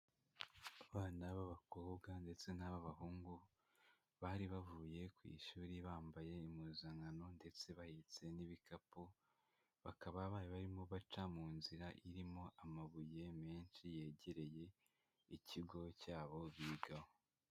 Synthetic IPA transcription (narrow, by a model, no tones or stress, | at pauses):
aβaːnaβaβako̞ːbɡande̞t͡se̞naβaβahuːŋɡu | βaːɾiβavuːje̞kwḭːʃuːɾiβaːmbaje̞imuzaŋɡano̞nde̞t͡se̞βahit͡se̞niβikapo | βakaβaβaːjeβaɾimoβat͡ʃamuːnziɾaʔiɾimo̞ʔamaβuje̞me̞ːnʃije̞ːɟe̞ɾe̞je̞ | iciɡo̞caːβo̞βiɡaho